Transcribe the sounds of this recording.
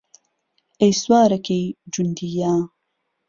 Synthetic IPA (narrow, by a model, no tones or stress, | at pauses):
ejswaːɾɐkejd͡ʒund̪ijaː